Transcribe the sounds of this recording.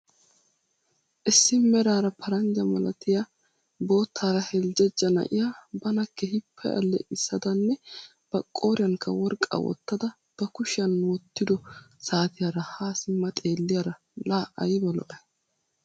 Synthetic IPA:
ʔɪsːɪmɛɾaːɾɐpʰɐɾɐnd͡ʒɐmɐlɐt̪ɪja | bo̞ːt̪ʰːaːɾɐhɛld͡ʒɛd͡ʒːɐnɐ̰ʔɪjabɐnɐkːɛhɪpʰːɐ̰jɐ̰lːɛ̰ʔɪsːɐd̪ɐnːɛ | b̥ɐkʼːo̞ːɾɪjɐŋkʰːɐwɔɾkʼːa̰wɔ̰t̪ːɐd̪ɐ | b̥ɐkʊʃɐnwɔt̪ːɪd̪ɔsaːt̪ɪjaɾɐhaːsɪmːɐt̪ʼe̞ːlːɪjaɾɐ | laːʔɐjbɐlɔ̰ʔɐ

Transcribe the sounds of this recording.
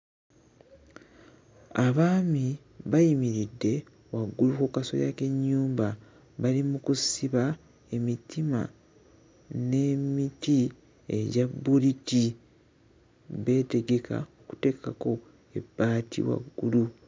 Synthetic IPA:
aβaːmi | βajimiɾidːe̞ | waɡːulukukaso̰ja̰ke̞ɲːuːmba | βalimukusiβa | e̞mitima̰ | ne̞miti | ḛɟabːuliti | βe̞ːte̞ɡe̞kʰa̰o̞ku̥te̞ːkako̞ | e̞bːaːtʰḭwa̰ɡːulu

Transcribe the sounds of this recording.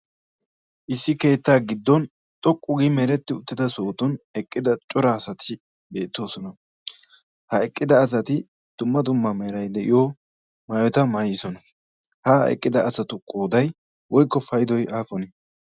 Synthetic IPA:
ʔɪsːɪke̞ːt̪ːaːɡɪd̪ːɔn | t̪ʼɔkʼːʊɡɪmɛɾɛt̪ːɪʊt̪ːɪt̪ɐso̞ːt̪ɔnɛkʼːɪd̪ɐt͡ʃʼɔɾɐːsɐt̪ʰɪ | be̞ːt̪ːo̞ːsɔnɐ | hɐɛkʼːɪd̪ɐːsɐt̪ɪ | d̪̥ʊmːɐd̪ʊmːɐmɛɾɐjd̪ɛʔɪ̰jo | maːjɔt̪ɐmajɪsɔnɐ | haːɛ̰kʼːɪd̪ɐːsɐt̪ʊkʼːoːd̪ɐj | wɔjkːɔfɐjd̪ɔjaːfɔnɛ

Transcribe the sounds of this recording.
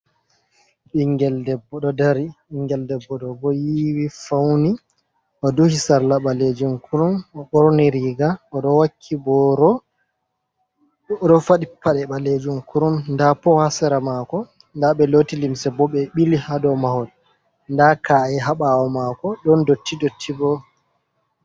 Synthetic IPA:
ɓiŋɡɛldɛbːɔɗɔdaɾiiŋɡɛldɛbːɔɗɔbɔjiwifawni | ʔɔduhisaɾlaɓaled͡ʒumkʰuɾumɔɓɔɾɔniɾiɡaɔɗɔwakʰːibɔɾɔ | ɾɔfaɗipːaɗɛɓaled͡ʒumkuɾumndapɔhasɛɾamakɔ | ndaɓɛloːtilimsɛbɔɓɛɓilihadɔmahɔl | ndakʰaɛɦaɓawɔmakɔɗɔndotʰːidotʰːibɔ

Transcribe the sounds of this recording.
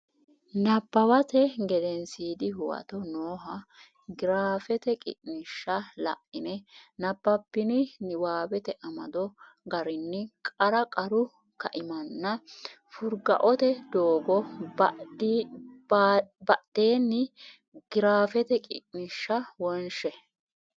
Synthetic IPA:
nɐbːɐwɐt̪ɛɡɛd̪ɛnsiːd̪ɪɦʊwɐ̰t̪ɔnoːɦɐ | ɡɪɾaːfɛt̪ɛkʼɪ̰ʔnɪʃːɐlɐ̰ʔɪnɛnɐbːɐpːɪnɪwaːbɛt̪ɛʔɐmɐ̰d̪ɔ | ɡɐɾɪnːɪkʼɐɾɐkʼɐɾʊ | kɐʔɪmɐnːɐ | fʊɾɡɐ̰ʔɔt̪ɛd̪oːɡɔ | bɐʔd̪eːnːɪ | ɡ̥ɪɾaːfɛt̪ɛkʼɪ̰ʔnɪʃːɐwɔnʃɛ

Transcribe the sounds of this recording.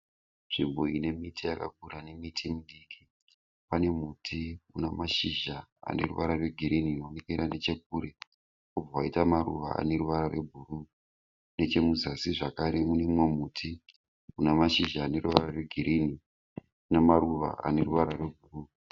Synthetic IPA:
ʐ̥imbo̞ine̞mitʰijaka̰k̚uɾane̞mitʰimuɗikʰi | pane̞mutʰiunamaʃiʒaa̰ne̞̰rṵʋaɾarwe̞ɡʱiɾininonikeɾane̞t͡ʃe̞k̚uɾe̞ | ub͡vawaitamarṵʋa̰a̰ne̞ɾuʋaɾarwe̞bʱuru | ne̞t͡ʃe̞muzasiʐakaɾe̞munemwemutʰi | unamaʃiʒaːne̞ɾuʋararwe̞ɡʱiɾini | unemaɾuʋa̰ʔa̰ne̞ɾuʋaɾarwe̞bʱuru

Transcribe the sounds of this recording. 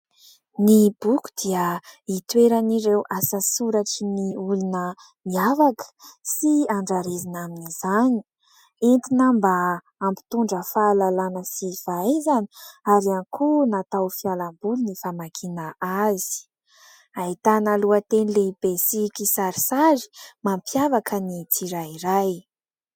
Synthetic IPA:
nibuku̥d̪iəit̪weɾaniɾewʔasasuɾaʈ͡ʂiniulunə | miavakə̥siaɳɖ͡ʐaɾezinaminizani̥ | ent̪inambaː | mpi̥t̪uɳɖ͡ʐəfaːlalanəsiv̥aezani̥aɾianikʰunat̪awfialambulunifamakʰinəazi̥ | ait̪analuat̪enilebesikisaɾisazi̥mampjavakʰənit̪ʰiɾaiɾaj

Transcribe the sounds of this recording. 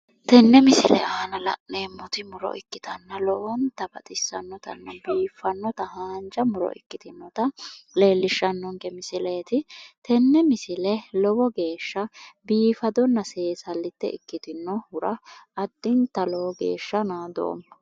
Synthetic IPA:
t̪ɛnːɛmɪsɪlɛ̰ʔɐhɐnɐlɐ̰ʔneːmːɔt̪ɪmʊɾɔ̰ʔɪkːɪt̪ɐnːɐlɔwɔnt̪ɐbɐt̪ʼɪsːɐnːɔt̪ɐ̰nːɐbiːfɐnːɔt̪ɐhaːnd͡ʒɐmʊɾɔ̰ʔɪ̰kːɪt̪ɪnːɔt̪ɐle̞ːlːɪʃːɐnːɔŋɡɛmɪsɪleːt̪ɪt̪ɛnːɛmɪsɪlɛlɔwɔɡe̞ːʃːɐbiːfɐd̪ɔnːɐse̞ːsɐlːɪt̪ːɛ̰ɪkːɪt̪ɪnːɔhʊɾɐʔɐd̪ːɪnt̪ɐlɔwɔɡḛːʃːɐnaːd̪o̰ːmːɐ

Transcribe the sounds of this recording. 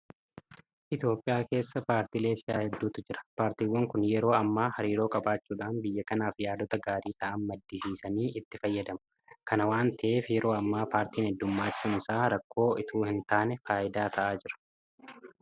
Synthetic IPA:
ʔɪt̪jo̞ːpʼːɪjaːke̞ːsːɐpaːɾt̪iːle̞ːsɪjaːhɛd̪ːuːt̪ʊd͡ʒɪɾɐ̥paːɾt̪iːwːɐŋkʊnjɛɾo̞ːɐmːaːhɐɾiːɾo̞ːkʼɐbaːt͡ʃːuːᶑaːnbɪjːɐkɐnaːfjaːd̪ɔt̪ɐɡaːɾiːt̪ɐʔɐnmɐd̪ːɪsiːsɐniːʔɪt̪ːɪfɐjːɐd̪ɐmɐ̥ | kʰɐnɐwaːnt̪ʰɐʔeːfjɛɾo̞ːɐmːaːpaːɾt̪iːnhɛd̪ːʊmːaːt͡ʃːuːnɪsaːɾɐkʰːo̞ːʔɪt̪ʰuːhɪnt̪aːnɛfaːʔɪd̪aːt̪ʰɐʔaːd͡ʒɪɾɐ̥

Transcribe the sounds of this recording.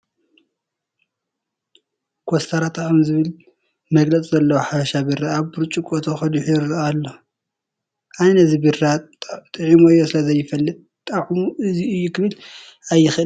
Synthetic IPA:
kʰost̪ʰɐɾat̪ʼʰaʔɐmzɨβɨl | mɐɡlɐt͡sʼzɐlːɐwoħafɐʃabɨɾːaːβbuɾt͡ʃʼukʼot̪ʰoxɐd̪uħɾʔalːo | ʔajnɐzibɨrat̪ʼɨʕimoɨjːo̞sɨlɐzɐjːɪfɐlːɨt̪̚ʼ | t̪ʼaʕmuɨziɨjːukʰɨβɨl | ajːɪxʔɨl

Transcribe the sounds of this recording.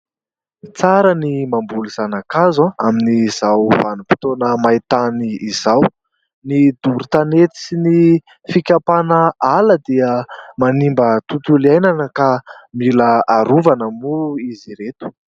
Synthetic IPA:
t͡saɾənimambuliz̥anakazãaminiz̥awvanupi̥t̪onəmait̪aniːzaw | nid̪uɾut̪anet̪i̥sini | fikʲapanəaləd̪iəmanimbət̪ut̪uliajnanəkamilaaɾuvanəmuiziɾet̪u̥

